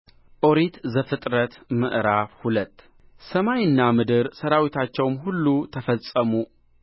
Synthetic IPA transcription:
ʔoɾit̪zəfɨt̪ʼɾət̪məʔɾafhulət̪ː | səmajɨnːamɨd̪ɨɾsəɾawit̪ʰat͡ʃːɛwmhulːut̪ʰəfəsʼəmu

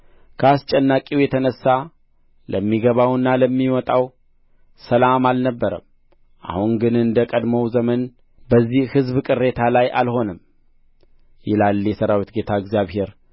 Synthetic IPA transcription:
kʰəast͡ʃʼɛnːakʼiwjɛt̪ʰənəsːa | ləmːiɡəβawɨnːaləmːiwɔt̪ʼaw | səlamalnəbːəɾəm | ʔa̰huŋɡɨnɨnd̪əkʼəd̪məwzəmən | bəzːihhɨzβkʼɨrːe̞t̪ʰalaja̰lho̞nəm | jɪlaljɛsəɾawit̪ɡe̞t̪ʰaɨɡzijaβhe̞ɾ

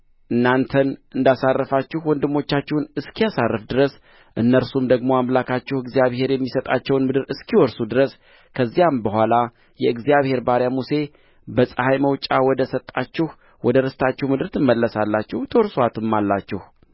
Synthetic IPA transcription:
ʔɨnːant̪ʰənʔɨnd̪asarːəfat͡ʃːɪhwɔnd̪ɨmːo̞t͡ʃːat͡ʃːɛhnɨskʰijasarːɨfd̪ɨɾəs | ʔɨnːəɾsumd̪əɡmo̞amlakʰat͡ʃːɛhɨɡzijaβhe̞ɾjɛmːisət̪ʼa̰t͡ʃːɛwnmɨd̪ɨɾɨskʰiwɔɾsud̪ɨɾəs | kʰəzːijambəhʷala | jɛɨɡzijaβhe̞ɾbaɾjamuse̞ | bəsʼəhajməwt͡ʃʼawɔd̪əsət̪ʼːat͡ʃːɪh | wɔd̪əɾəst̪ʰat͡ʃːɛhwmɨd̪ɨɾt̪ʰɨmːəlːəsalːat͡ʃːɛht̪ʰəwɔɾsoat̪ʰɨmːalːat͡ʃːɛh

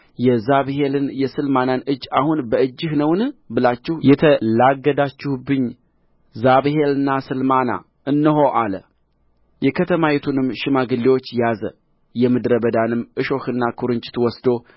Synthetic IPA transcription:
jɛzaβhelɨnjɛsɨlmananɨd͡ʒːahunbəɨd͡ʒːɨhnəwnɨbɨlat͡ʃːɪhjɛt̪ʰəlaɡːəd̪at͡ʃːɪhbɨɲː | zaβhelɨnːasɨlmana̰ | ʔɨnːəɦo̞ʔalə | jɛkʰət̪ʰəmajɛt̪ʰunɨmːʃɪmaɡɨlːiwo̞t͡ʃːjazə | jɛmɨd̪ɾəbəd̪anɨmːʔɨʃo̞xɨnːakʰuɾɨnt͡ʃʼɪ̥t̪wɔsd̪o̞

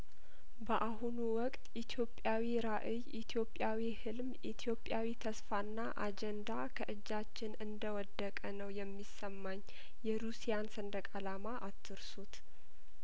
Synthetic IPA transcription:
bəʔaɦunuwɔkʼt̪ʼit̪ʰjo̞pʼjawiɾaʔɨjit̪ʰijo̞pʼjawihɨlmʔit̪ʰjo̞pʼjawit̪ʰəsfanːaʔad͡ʒɛnd̪akʰəʔɨd͡ʒːat͡ʃːɪnɨnd̪əwɔd̪ːəkʼənəwjɛmːisəmːaɲː | jɛɾusijansənd̪əkʼalamaʔat̪ʰːɨɾsut̪

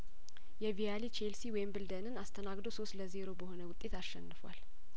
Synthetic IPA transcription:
jɛvialit͡ʃʰelsiwɔjmbɨld̪ənɨnast̪ʰənaɡd̪oso̞st̪ləze̞ɾo̞bəho̞nəwʊt̪ʼːe̞t̪aʃːɛnːɨfwa̰l

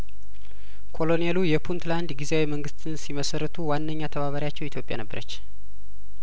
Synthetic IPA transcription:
kʰo̞lo̞nijelujɛpʰunt̪land̪ɡizeawiməŋɡɨst̪ʰɨnsiməsərːət̪ʰuwanːəɲːat̪ʰəβaβəɾjat͡ʃːɛwit̪ʰjo̞pʼja̰nəbːəɾə̰t͡ʃː

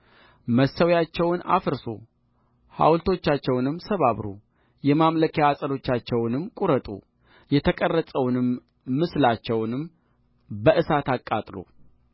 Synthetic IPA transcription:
məsəwjat͡ʃːɛwna̰fɨɾso̰ | ha̰wlt̪ʰo̞t͡ʃːat͡ʃːɛwnɨmːsəβaβɾṵ | jɛmamləkʰjaːsʼəlo̞t͡ʃːat͡ʃːɛwnɨmkʼuɾət̪ʼṵ | jɛt̪ʰəkʼərːəsʼəwnɨmː | ɨslat͡ʃːɛwnɨm | bəʔɨsat̪akʼːat̪ʼlo̰

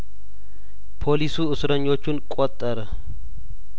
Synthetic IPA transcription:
pʰolisuːʊsʊɾɐɲːot͡ʃːʊnkʼɔt̪ʼːɐɾɐ

